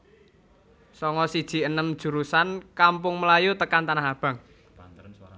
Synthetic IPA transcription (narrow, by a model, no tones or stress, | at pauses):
sɔŋɔsid̥ʒ̥i̤ənəmd̥ʒ̥ṳɾusankampʊŋməlajut̪əkant̪anaɦab̥ä̤ŋ